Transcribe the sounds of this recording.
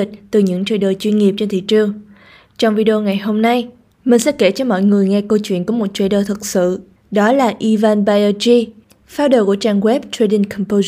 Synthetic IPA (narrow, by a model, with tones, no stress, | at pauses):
i˨˩k̟̚t̪ɨ˨˩ɲɨ̰˧˥ŋt͡ɕə̰ː˧˩ɗəː˨˩jt͡ɕwi˧nŋi˨˩əp̚t͡ɕe˧nt̪ʰḭ˧˨t͡ɕɨ˨˩əŋ | t͡ɕɔ˧wŋ͡mvi˧ɗo˧ŋa˨˩jɦo˧mna˧j | mï˨˩ŋ̟sɛ̰˧˥ke˧˩t͡ɕɔ˧mɔ̰˧˨jŋɨ˨˩əjŋɛ˧kə˧wt͡ɕwḭ˧˨ənkɔ˨˦mo˨˩t̚t͡ɕə˧˩ɗəː˨˩t̪ʰɨ˨˩k̚sɨ̰˧˨ | ɗɔ˨˦laː˨˩ʔi˧vaː˧nɓaː˧əː˧t͡ɕi˧ | faː˨˦wɗoː˧˩ku˧˩ət͡ɕaː˧ŋɣwɛ˦˥p̚t̪ɹe˧ɗi˧nkʰɔ˨˩mpo˧